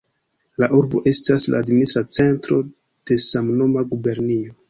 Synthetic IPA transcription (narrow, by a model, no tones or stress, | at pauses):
laʔuɾbo̞ʔe̞stasla̰ːdministɾat͡se̞ntɾo̞ | d̥e̞samno̞maɡube̞ɾnio